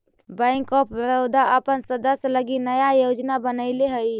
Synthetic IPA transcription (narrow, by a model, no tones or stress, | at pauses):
bəɪŋkɔpʰbəɾod̪aʔəpənsəd̪əsləɡinəjajod͡ʒnabənəɪleɦəj